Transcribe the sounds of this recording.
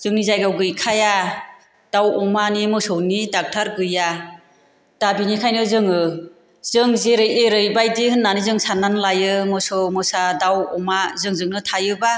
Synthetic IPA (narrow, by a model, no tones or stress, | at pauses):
z̥ɯŋnizajɡawɡɯjkʰaja | d̥awɔmanimɯsɔwnidak̚tʰaɾɡɯja | d̥abinikʰajnɯzɯŋɯ | zɯŋzeɾɯjeɾɯjbajdihɯnːanizɯŋsanːanlajɯmɯsɔwmɯsadawɔmazɯŋzɯŋnɯtʰajɯba